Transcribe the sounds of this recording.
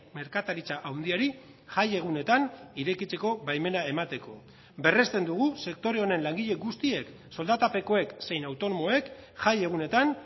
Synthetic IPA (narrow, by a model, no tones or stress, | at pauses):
me̞ɾkat̪aɾit͡saʔawnd̪iaɾi | ʝaje̞ɣ̞une̞t̪aniɾe̞kit͡se̞ko̞bajme̞nae̞mat̪e̞ko̞̰ | be̞re̞st̪e̞nd̪uɣ̞use̞k̚t̪o̞ɾe̞o̞ne̞nlaŋɡiʎe̞ɡust̪ie̞k | so̞ld̪at̪ape̞ko̞e̞kse̞jnawt̪o̞no̞mo̞e̞kʝaje̞ɣ̞une̞t̪an